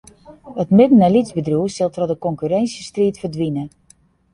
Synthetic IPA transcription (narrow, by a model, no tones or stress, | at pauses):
ətmɪdən̩ɛlizbədruəsɪlˠtrɔdəkɔŋkyɾɛnsjəstriətfərdʋinə